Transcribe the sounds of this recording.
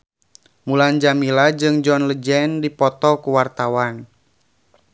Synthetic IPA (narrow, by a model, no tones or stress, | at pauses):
muland͡ʒamilad͡ʒɨŋd͡ʒɔnləd͡ʒɛndipɔt̪ɔkuwart̪awan